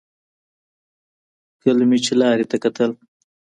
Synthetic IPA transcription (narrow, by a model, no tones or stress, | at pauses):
kəlmit͡ʃelɑːɾet̪akat̪əl